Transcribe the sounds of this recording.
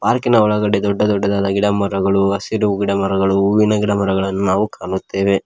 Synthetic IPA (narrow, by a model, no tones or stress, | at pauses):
paːɾkinɐɔɭɐɡɐɽed̪ɔɖːɐd̪ɔɖːɐd̪aːd̪ɐɡiɽɐmɐɾɐɡɐɭuɐsiɾuuɡiɽɐmɐɾɐɡɐɭuuʋinɐɡiɽɐmɐɾɐɡɐɭɐnːunaːʋukaːɳut̪ːe̞ːʋe̞